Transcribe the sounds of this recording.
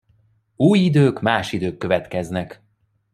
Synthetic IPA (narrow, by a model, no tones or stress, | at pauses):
uːjid̪øːkmaːʃid̪øːkːø̞vɛt̪kɛznɛk